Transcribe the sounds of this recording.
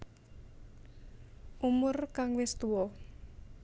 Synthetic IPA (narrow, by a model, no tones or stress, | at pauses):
ʔumʊrkaŋwɪst̪uwɔ